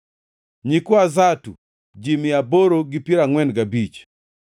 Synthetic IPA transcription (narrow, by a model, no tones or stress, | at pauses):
ɲikuazatu | d͡ʒimijabɔɾoɡipiɾaŋwɛndɡabit͡ʃ